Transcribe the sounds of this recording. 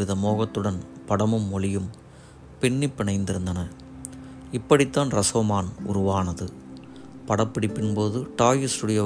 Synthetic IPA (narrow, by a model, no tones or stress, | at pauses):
ɪðɐmoːɣɐt̪ːɯɽɐnpɐɽɐmɯmːɔlɪjɯm | pɪɳːɪpːɪɳɐɪnd̪ɪɾɯnd̪ɐnɐ | ɪpːɐɽɪt̪ːaːnɾɐsoːmaːnʊ̰ɾʊʋaːnɐðɯ | pɐɽɐpːɪɽɪpːɪnpoːðɯʈaːjɯsʊɽɪjɐ